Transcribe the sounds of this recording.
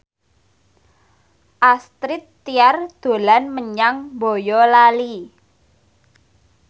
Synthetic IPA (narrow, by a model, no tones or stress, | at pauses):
ʔast̪ɾɪt̪ːiard̪̥o̤lanməɲaŋbojɔlali